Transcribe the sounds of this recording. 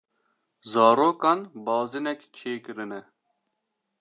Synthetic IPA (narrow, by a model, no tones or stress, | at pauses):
zɑːɾoːkɑːnbɑːzɨnɛkt͡ʃʰeːkɨɾɨnɛ